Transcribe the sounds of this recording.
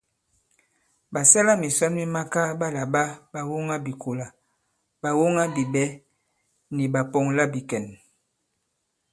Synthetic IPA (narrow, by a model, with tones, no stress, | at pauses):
ba˨sɛ˦la˦mi˨sa˦nmi˦ma˦ka˦ba˦la˨ba˦ba˨wo˦ŋa˦bi˨kʰo˨la˨ | ba˨wo˦ŋa˦bi˨bɛ˦ | ni˨ba˨pɔ˨ŋla˦bi˨kɛ˨n